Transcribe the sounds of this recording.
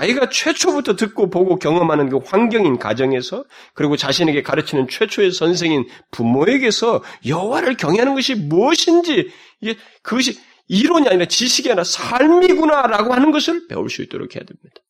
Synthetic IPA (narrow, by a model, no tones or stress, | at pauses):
aiɡat͡ɕʰwe̞t͡ɕʰobutʰʌtɯk͈opoɡokjʌŋʌmɦanɯnɡɯɸwaŋɡjʌŋinka̰d͡ʑʌŋe̞sʰʌ | kɯɾiɡot͡ɕaɕʰine̞ɡe̞kaɾɯt͡ɕʰinɯnt͡ɕʰwe̞t͡ɕʰoesʰʌns̬ʰe̞ŋinpumoe̞ɡe̞sʰʌjʌɦwaɾɯɭkjʌŋeɦanɯnɡʌɕʰimuʌɕʰind͡ʑi | iɡe̞ | kɯɡʌɕ̬ʰi | iɾoɲiaɲiɾat͡ɕiɕʰiɡeanasʰaɭmiɡunaɾaɡohanɯnɡʌsʰɯɭpe̞̰ṵɭs͈uḭt͈o̰ɾo̰kʰe̞jadwemɲid̥ḁ